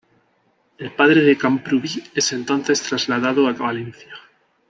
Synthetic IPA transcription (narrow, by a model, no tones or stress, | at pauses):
e̞lpaðɾeðekampɾuβie̞se̞nt̪o̞n̟θe̞st̪ɾazlaðaðoakβalen̟θja